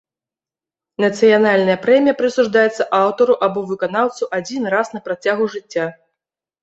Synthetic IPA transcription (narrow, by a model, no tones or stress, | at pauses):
nɐt̪sɨjanalʲnɐjɐpɾɛmʲijɐpɾɨsuʐd̪ajɛt̪sːɐʔawt̪ɐɾuʔabɔvɨkanawt̪suʔad͡zʲinrasnɐpɾat͡sʲaɣuʐɨt͡sʲːa